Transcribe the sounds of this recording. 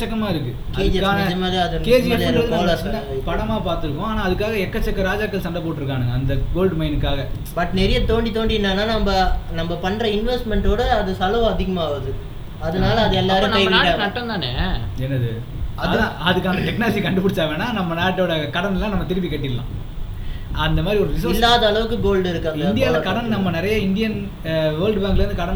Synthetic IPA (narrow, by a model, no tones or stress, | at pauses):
kɐt͡ʃːɐkːɐmaːɪɾɯkːɯ | kɐeðːd͡ʒaːnɐɐmaðiɐðɯɾkeːd͡ʒɪɐnɐðɯoːlɐ | pɐɽɐmaːpaːɾt̪ɯɾɯkːʊ̃aːnaːɐðɯkːaːɣɐɛkːɐt͡ʃːɐkːɐɾaːd͡ʒaːkːɐlsɐnd̪ɐpoːʈːɪɾɯk̬ːaːnɯŋɡɐɐnd̪ɐʋoːɭɖmɐɪnɯkːaːɣɐ | bɐʈnɛɾɪjɐt̪oːɳɖit̪oːɳɖinːaːnaːnɐmbɐnɐmbɐpɐɳːɾɐɪnʋɛsʈmɛɳʈoːɽɐːðɯsɐlɐʋɐ̃ɐðɪɣɐmaːʋɐðɯ | ɐðɐnaːlɐːðɯɛlːaɐːɾnɐmːɐnaːaːɐʈːɐ̃nt̪aːneɛnːɐðɯ | ɐððãɐðɯkːaːnɐʈɛknaːlɐd͡ʒikɐɳɖɯp̬ɪɽɪt͡ʃːaːʋeːnːaːnɐmːɐnaːʈːoɽɐkɐɽɐnɛlːãːnɐmːɐt̪ɪɾɯpːikɐʈːɪlːã̰ː | ɐnd̪ɐmaːd̪ɾiɔɾɯʋɪs̬ɪlːaːðɐːlɐʋɯk̬ːɯɡoːlɖɪɾɯkːaːŋnd̪ɪjaːlɐkɐɽɐnnɐmːɐnɪɾɐjɐɪnd̪ɪjɐn | ʋɐːlɖʋɐːŋɡɪlɾɯnd̪ɯkɐɽɐ